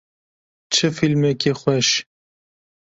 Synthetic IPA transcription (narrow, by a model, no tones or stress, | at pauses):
t͡ʃʰɨfilmɛkexʷɛʃ